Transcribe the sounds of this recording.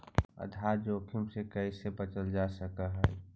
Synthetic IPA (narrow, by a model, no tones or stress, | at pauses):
ə̰d̪ʱad͡ʒoːkʰimsekəisebət͡ʃəld͡ʒasəkəɦɛ